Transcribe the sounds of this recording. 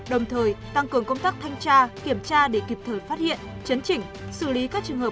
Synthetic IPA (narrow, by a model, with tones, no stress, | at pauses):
ɗə˨˩wŋ͡mt̪ʰəː˨˩jt̪a˧ŋkɨ˨˩əŋkə˧wŋ͡mt̪aː˦˥k̚t̪ʰa˧jŋt͡ɕaː˧ki˧˩əmt͡ɕaː˧ɗe˧˩ki˨˩p̚t̪ʰəː˨˩jfaː˦˥t̚hḭ˧˨ən | t͡ɕə˨˦nt͡ɕï˧˩ŋ̟sɨ˧˩li˨˦kaː˦˥k̚t͡ɕɨ˨˩əŋhɦəː˨˩